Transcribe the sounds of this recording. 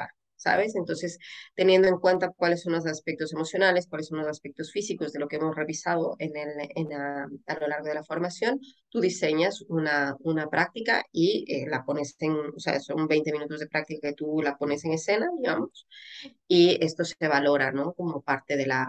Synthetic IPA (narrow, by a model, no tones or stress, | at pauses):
a | sa̰βe̞sent̪o̞nse̞st̪e̞njend̪o̞e̞ŋkwe̞nt̪akwalesːo̞nlos̬aspek̚t̪ose̞mo̞sjo̞naleskwalesõ̞nlosaspek̚t̪o̞sfisiko̞zðe̞lokeemo̞sre̞βisaðo̞ʔenelenaalo̞laɾɣ̞o̞ð̞elafo̞ɾmasjo̞nt̪uðise̞ɲasunaunapɾʔak̚t̪ika̰iḛlapo̞neseŋosea̰so̞̰mbe̞jne̞minut̪ozð̞e̞pɾak̚t̪ikaket̪ulapo̞ne̞seŋe̞se̞naðiɣamos | ie̞st̪o̞se̞βalo̞ɾano̞ko̞mo̞paɾt̪e̞ðe̞la